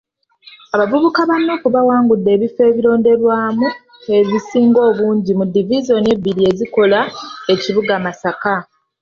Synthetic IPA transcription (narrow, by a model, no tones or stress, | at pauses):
aβavuβukaβanːoːkuβawaːŋɡudːe̞ːβife̞ːβiɾo̞ːnde̞ɾwaːmu | e̞zisiːŋɡo̞ːβuːɲɟimudːivizo̞ne̞biɾie̞ziko̞lae̞ciβuɡamasaka